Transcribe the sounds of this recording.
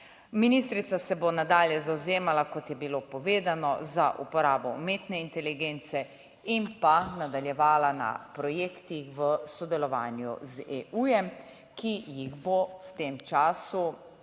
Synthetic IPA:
minist̪ɾit̪sasɛbonad̪aːljɛzawzeːmalakɔt̪jɛbilopɔʋeːd̪anɔzaʔṵpɔɾaːbɔ̰meːt̪nɛint̪ɛliɡeːnt̪sɛ | impanad̪aljɛʋaːlana̰pɾɔjeːkt̪ixʋəsɔd̪ɛlɔʋaːnjṵzeʔujɛm | kijiɣbowt̪eːmt͡ʃaːsu

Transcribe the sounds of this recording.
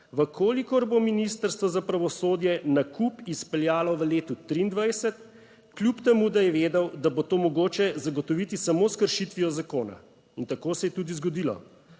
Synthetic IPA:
ʋəkʰoːlikɔɾbominist̪əɾst̪ʋɔzapɾaʋɔsoːd̪jɛnakupispɛljaːlɔʋəleːt̪ut̪ɾiːnd̪ʋajsɛt̪ | klʲjupt̪ɛmud̪ajɛʋeːd̪ɛwd̪abot̪oːmɔɡoːt͡ʃɛzaɡɔt̪ɔʋit̪isamoːskəɾʃit̪ʋijɔzakoːna̰ | int̪akoːsɛjɛt̪uːd̪izɡɔd̪ilɔ̰

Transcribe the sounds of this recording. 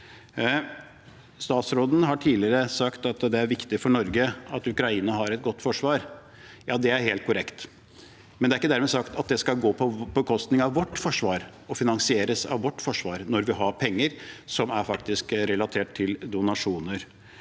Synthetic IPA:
st̪ɑːt̪sɾoːd̪n̩ɦɑʈʰiːlɪəɾəsɑkt̪ɑt̪d̪ɛæɾʋɪkt̪ɪfɔɳɔɾɡəɑt̪ʉkɾɑiːnɑɦɑɾɛt̪̚ɡɔt̪ːfɔʂʋɑːɾ | jɑːd̪ɛæɾheːlt̪̚kʰʊɾɛkt̪ | mɛnd̪æɾɪkːəd̪æɾmɛsɑkt̪ɑt̪̚d̪ɛskɑlɡoːpʰɔbəkʰɔst̪nɪŋɑʋːɔʈːfɔʂʋɑːɾɔfɪnɑnsɪeːɾəsɑ̰ʋʋɔʈːfɔʂʋɑːɾnɔɾʋɪɦɑɾpʰɛŋːəɾsɔmæɾfɑkt̪ɪskɾɛlɑt̪ʰeːʈʰːɪld̪ʊnɑʂuːnəɾ

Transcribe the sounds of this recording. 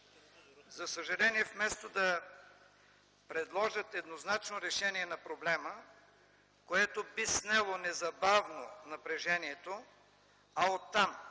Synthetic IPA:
zɐsəʒɐlɛniɛfmɛst̪od̪ɐ | pɾɛd̪lˠɔʒət̪ɛd̪noznat͡ʃnoɾɛʃɛniɛnɐpɾoblɛmə | koɛt̪obisnɛlˠonɛzɐbavnonɐpɾɛʒɛniɛt̪o | ɐot̪ːam

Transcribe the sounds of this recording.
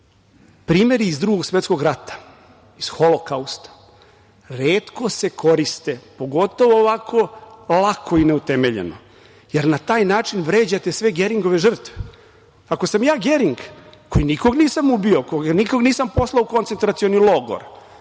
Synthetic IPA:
pɾiːme̞ɾiːzd̪ɾuɡo̞ɡsʋet̪sko̞ɡɾat̪ḁ | isxolokaust̪ḁ | ɾeːt̪ko̞se̞kʰo̞ɾist̪e̞po̞ɡo̞t̪o̞ʋoːʋakʰo̞lakʰo̞ineut̪emeʎe̞̰no̰ | je̞ɾnat̪aːjnaːt͡ʂinʋɾeːd͡ʑat̪e̞sʋe̞ɡe̞ɾiŋɡo̞ʋe̞ʒr̩t̪ʋe | ako̞samjaːɡeɾiŋɡkojiniko̞ɡniːsamubiokoɡniko̞ɡniːsampo̞slˠaukont̪sent̪ɾat̪sionilˠo̞ɡo̰ɾ

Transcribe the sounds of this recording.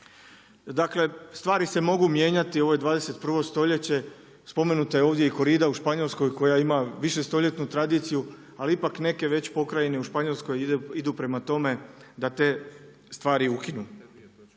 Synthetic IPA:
d̪akle̞st̪ʋaːɾise̞mo̞ɡumje̞ːɲat̪io̞ʋo̞jed̪ʋaːd̪e̞se̞t̪pr̩ʋo̞st̪o̞ʎe̞t͡ɕe̞ | spo̞me̞nut̪ajeo̞ːʋd̪je̞iko̞ɾiːd̪auʃpaɲo̞lsko̞jko̞jaimaʋiʃe̞st̪o̞ʎe̞t̪nut̪ɾad̪iːt̪siju | aliipakne̞ke̞ʋe̞t͡ɕpo̞kɾaje̞neuʃpaɲo̞lˠsko̞jid̪upɾe̞mat̪o̞me̞d̪at̪e̞ː | st̪ʋaːɾiukinu

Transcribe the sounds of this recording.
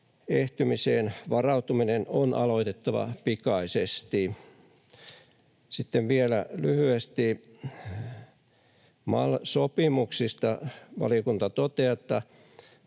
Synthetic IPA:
eht̪ymiseːnʋɑrɑut̪uminenonʔɑ̰loit̪et̪ːɑʋɑ̰pikɑisest̪i | sit̪ːeʋʋielælyhyest̪i | mɑlsopimuksist̪ɑʋɑ̰liokunt̪ɑt̪ot̪eːet̪ːɑ

